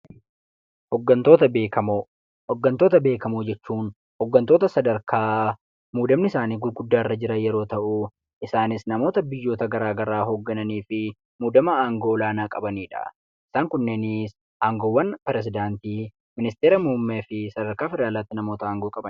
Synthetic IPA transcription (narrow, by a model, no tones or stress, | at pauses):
hɔɡːɐnt̪o̞ːt̪ɐbeːkɐmo | hɔɡːɐnt̪oːt̪ɐbe̞ːkɐmud͡ʒɛt͡ʃːuːn | hɔɡːɐnt̪o̞ːt̪ɐsɐd̪ɐɾkʰaː | muːd̪ɐmnɪsaːniːɡʊlɡʊd̪ːaːɪrːɐd͡ʒɪɾɐjɛɾo̞ːt̪ɐʔʊ | ʔɪsaːnɪsnɐmo̞ːt̪ɐbɪjːo̞ːt̪ɐɡɐɾaːɡɐɾaːɦoɡːɐnɐniːfɪ | muːd̪ɐmɐaːŋɡoːlaːnaːkʼɐbɐniːᶑɐ̰ | ʔɪ̥saːŋkʊnːenɪs | ʔaːŋɡoːwːɐnpɛɾɛs̬ɪd̪aːnt̪iː | mɪnɪst̪eːɾɐmʊʊmːeːfɪsɐd̪ɐɾkaːfɪɾaːlaːt̪ːɪnɐmo̞ːt̪ɐaːŋɡoːkʼɐbɐn